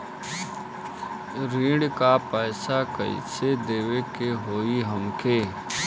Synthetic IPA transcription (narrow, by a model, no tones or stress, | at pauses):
ɾiːɽkapɛːsakə̰ḭsed̪eːwekeɦoːiɦəmkeː